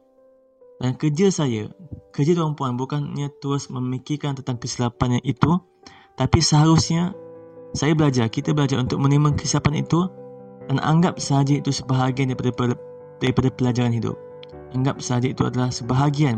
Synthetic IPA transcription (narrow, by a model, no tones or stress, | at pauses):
dankəd͡ʒilsaja̰kəd͡ʒit̪əɾumpuanbukanɲãt̪uɾʊsmə̃mikirkant̪ənt̪aŋkəsilapanɲãʔit̪u | t̪apisəɦaɾʊsɲa | sajabəlad͡ʒarkit̪abəlad͡ʒaɾunt̪ʊk̚mə̃nimə̃nkəisiapanḭt̪udanʔa̰ŋɡap̚səɦad͡ʒait̪usəbaɦaɡianda | d̥aɾipadapəlad͡ʒaɾanɦidʊ̰p̚ | aŋɡap̚səɦad͡ʒait̪ua̰dalahsəbaɦaɡian